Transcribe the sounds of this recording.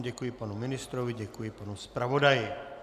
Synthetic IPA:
ɟɛkujipanumɪnɪst̪ɾoviɟɛkujipanuspɾavodajɪ

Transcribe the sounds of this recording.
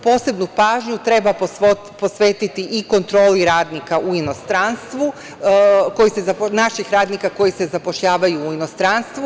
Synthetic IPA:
po̞ːse̞bnupaːʒɲut̪ɾe̞bapo | po̞sʋe̞ːt̪it̪iʔiko̞nt̪ɾo̞ːliɾaːd̪nikaʔuino̞st̪ɾanst̪ʋu | ko̞jise̞zaponaʃixɾaːd̪nikako̞jise̞zapo̞ʃʎaːʋajuːino̞st̪ɾanst̪ʋu

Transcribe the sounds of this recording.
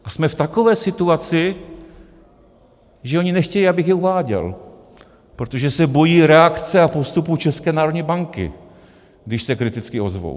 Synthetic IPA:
ʔasmɛft̪ako̞vɛːsɪt̪uat͡sɪ | ʒɛo̞ɲɪnɛxcɛjiabɪxjɛuvaːɟɛ̰l | pɾot̪o̞ʒɛsɛbo̞jiːɾɛakt͡sɛapo̞st̪uput͡ʃɛskɛːnaːɾodɲibaŋkɪ̰ | ɡdɪʃsɛkɾɪt̪ɪt͡skɪo̞zvo̰w

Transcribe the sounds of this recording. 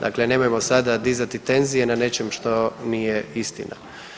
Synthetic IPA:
d̪a̰kle̞ne̞mojemo̞sad̪ad̪izat̪it̪e̞nzije̞nane̞t͡ʃe̞mʃt̪o̞nijeist̪ḭna̰

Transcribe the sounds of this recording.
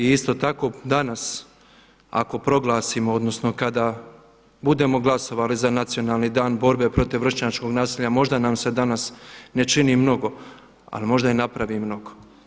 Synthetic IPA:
iist̪o̞t̪ako̞d̪anas | a̰ko̞pɾo̞ɡlˠaːsimood̪no̞sno̞kad̪a | bud̪e̞mo̞ɡlˠaso̞ʋalizanat̪sijo̞nalˠnid̪aːnbo̞ɾbe̞pɾo̞t̪iʋr̩ʃɲat͡ʃko̞ɡnaːsiʎamo̞ʒd̪anamse̞d̪anasne̞t͡ʃinimno̞ɡo̞ | a̰limo̞ʒd̪ainapɾaʋimno̞ɡo̥

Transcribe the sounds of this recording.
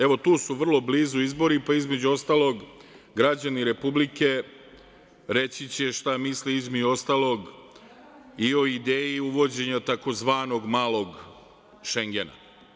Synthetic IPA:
e̞ʋo̞t̪uːsuʋr̩lˠo̞bliːzuizbo̞ɾipaizme̞d͡ʑuo̞st̪aːlˠo̞ɡ | ɡɾad͡ʑaniɾe̞publike̞ | ɾe̞t͡ɕit͡ɕe̞ʃt̪amisliizme̞d͡ʑuo̞st̪aːlˠo̞ɡ | io̞id̪eːjiuʋo̞d͡ʑe̞ɲat̪ako̞zʋaːno̞ɡmaːlˠo̞ɡ | ʃe̞ŋɡe̞na̰

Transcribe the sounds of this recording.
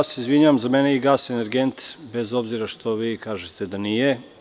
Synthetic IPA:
aseizʋiɲaʋamzameneiɡaːseneɾɡent̪be̞zo̞bziɾaʃt̪o̞ʋiːkaːʒet̪ed̪anije

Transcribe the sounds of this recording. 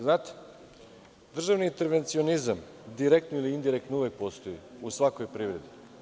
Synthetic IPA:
znaːt̪e̥ | d̪r̩ʒaʋniint̪eɾʋe̞nt̪sio̞nizam | d̪iɾek̚t̪noiliiːnd̪iɾek̚t̪nuʋjek̚po̞st̪o̞jiusʋako̞jpɾiʋɾe̞d̪i

